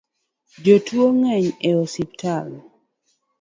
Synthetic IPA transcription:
d͡ʒotwoŋɛɲɛosiptʰal

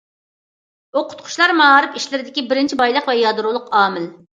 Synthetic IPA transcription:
oqʰʊ̥t̪̚qʰʊ̥ʃlˠɑɾmɑɾɨpiʃlɪɾɪd̪ɪkʲibɪɾɪnt͡ʃʰibɑjlˠəqvɛjɑd̪ɾulˠʊqɑːmɪl

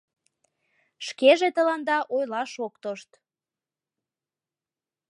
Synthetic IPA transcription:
ʃkeʒet̪əlɑnd̪ɑʔojlɑʃokt̪oʃt̪

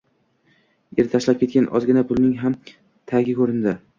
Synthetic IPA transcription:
eɾt̪ʰaʃlap̚kʲe̞t̪̚kʲanʔɒ̰zɡʲɪnapʰʊlˠnɪŋɦam | t̪ʰaɡʲɪkʰɵɾɪnd̪ɪ

